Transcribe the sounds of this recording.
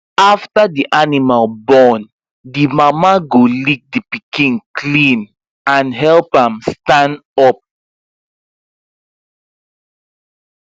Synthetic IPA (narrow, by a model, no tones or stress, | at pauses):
aftadiʔanimalbɔn | dimamaɡolik̚dipikĩnkʰlĩn | ãnɦɛlpãmstãndɔp̚